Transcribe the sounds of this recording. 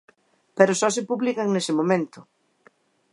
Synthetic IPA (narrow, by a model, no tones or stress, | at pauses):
peɾʊsɔsɪpuβlikaŋnesɪmõmẽnt̪ʊ